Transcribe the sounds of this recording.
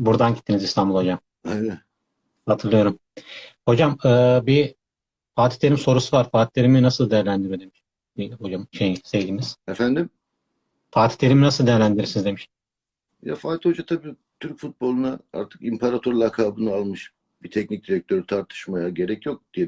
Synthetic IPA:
buɾd̪anɟit̪ʰːinizist̪ʰanmbulˠho̞d͡ʒam | ɛvɛt̪ | hat̪ʰɯɾlˠɯjo̞ɾum | ho̞d͡ʒamɯːbi | faːt̪ʰi̥lʲeɾimso̞ɾusuvaɾfaːt̪ʰit̪le̞ɾiminasɯlˠd̪ejæɾlʲænd̪iɾjo̞d̪e̞miʃ | b̥iho̞d͡ʒamʃejise̞vd̪iːniz̥efænd̪im | faːt̪ʰi̥t̪lʲe̞ɾiminasɯlˠd̪ejæɾlʲænd̪iɾiɾsinizd̪e̞miʃ | ja̰faːt̪ʰihod͡ʒat̪ʰabiː | t̪ʰyɾcfut̪̚bo̞lˠunaa̰ɾt̪ʰɯ̥kimpʰaɾat̪ʰoɾlˠakʰaːbɯnɯalˠmɯʃ | bit̪ʰɛcnic̚d̪iɾɛc̚t̪ʰø̞ɾyt̪ʰaɾt̪ʰɯ̥ʃmajaɟe̞ɾɛcjo̞k̚d̪ije

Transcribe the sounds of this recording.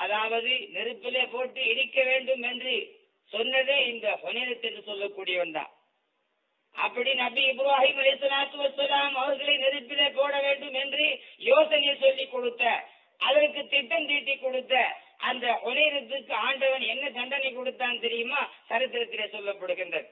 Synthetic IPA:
ɐðaːʋɐðɯnɪɾɯpːɪleːpoːʈːɯɪɽɪkːɐʋeːɳɖɯmɛndrɯ | sɔnːɐðeːɪnd̪ɐʔɔnɪɾɐt̪ːɛnːɯsɔlːɐkːuːɽɪjɐʋɐnd̪a̰ː | ʔɐ̰pːɐɽinɐbiɪbɪɾaːɦiːmɐlɐɪsɐlaːt̪ːɯʋɐsɐlaːmɐʋɐɾɣɐɭɐnɪɾɯpːɪleːpoːɽɐʋeːɳɖɯmɛndrɯjoːsɐnɪjesɔlːikːɔɽɯt̪ːɐ | ʔɐðɐɾɯkːɯt̪ɪʈːɐmt̪iːʈːikːɔɽɯt̪ːɐʔɐnd̪ɐhɔnɪɾɐt̪ːɯkːɯaːɳɖɐʋɐnɛnːɐkɐɳɖɐnɐɪkːɔɽɯt̪ːaːnt̪ɛɾɪjɯmaːsɐɾɯt̪ːɪɾɐt̪ːɪleːsɔlːɐpːɐɽɯɣɪndrɐðɯ

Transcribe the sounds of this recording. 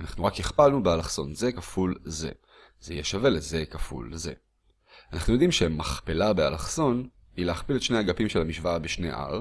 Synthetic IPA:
anaχnuʁakjiχpalnubealaχso̞nzekafulze̞̰ | z̥ejeʃave̞leze̞kafṵlze̞̰ | anaχnujo̞d̪imʃemaχpelabealaχso̞n | ileaχpiletʃnehaɡapimʃelamiʃvaabeʃne̞̰ʔa̰ʁ

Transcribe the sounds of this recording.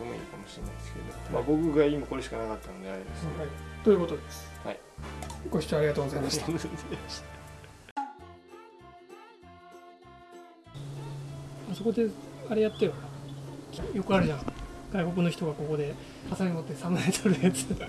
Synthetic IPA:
tomo̰ḭːkamoɕiɾena̰id̪eske̞̰d̪o̰mabo̞kɯ̟ɡaimako̞ɾeɕi̥kanakat̪ːanod̪ea̰ɾihait̪ojɯ̟ko̞t̪o̞d̪e̞sɨ̥ha̰i | ɡ̥o̞ɕi̥t͡ɕoaɾiɡat̪oːɡozaimaɕit̪azamaɕt̪a | maso̞ko̞d̪e̞aɾe̞jat̪ːejokakʲjo̞kɯ̟aɾɯ̟ʑãɡ̥aikok̬ɯ̟no̞çi̥t̪o̞ɡako̞ko̞d̪e̞ | hasaɾimot̪ːe̞samɯnaet̪oɾɯ̟jat͡sɨ̥

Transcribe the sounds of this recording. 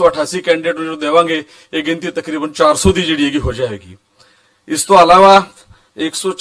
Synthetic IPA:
ɔːəʈʰaːsiːkɛ̃ːɳɖeːʈnõõːd̪eːʋãːŋɡeː | eːɡɪ̃nt̪iːt̪əkɾiːbənt͡ʃaːɾsɔːd̪iːd͡ʒeːɽieːɡiːɦoːd͡ʒaːɛ̰ːɡḭː | ɪst̪õːəlaːʋaː | ɪksɔːt͡ʃ

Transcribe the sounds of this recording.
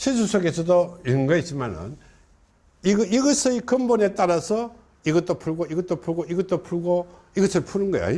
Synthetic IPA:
ɕʰis̬ʰusʰoɡesʰʌdoinɡʌɦet͡ɕimanɯ̰n | iɡiɡʌsʰʌikɯmbʌne̞t͈aɾasʰʌ | iɡʌt͈opʰuɭɡoiɡʌt͈opʰuɭɡoiɡʌt͈̚opʰuɭɡo | iɡʌsʰʌpʰunɯnɡʌjo̰

